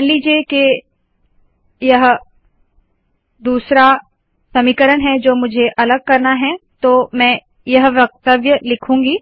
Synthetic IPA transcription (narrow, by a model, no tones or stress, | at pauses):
nliːd͡ʒieke | jɐɦ | d̪uːsɾa | sɐmiːkəɾənɦɛd͡ʒoːmʊd͡ʒʱeʔɐləɡ̚kɐɾnaɦɛt̪oːmɛ̃ː | jɐɦʋjɐk̚t̪əʋjəlɪkʰũːŋɡiː